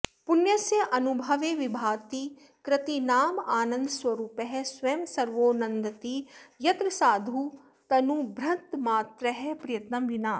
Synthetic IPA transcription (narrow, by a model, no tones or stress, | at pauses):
punjɐsjɐʔɐnubʱɐʋeːʋibʱaːt̪i | kɾɐt̪inaːmaːnɐ̃nd̪swɐɾuːpɐɦɛsʋɐmsɐɾʋoːnɐnd̪ɐt̪ijɐt̪ɾɐsaːd̪ʱu | t̪ɐnubʱɾɐnt̪maːt̪ɾɐɦɛpɾijɐt̪nɐmʋinaː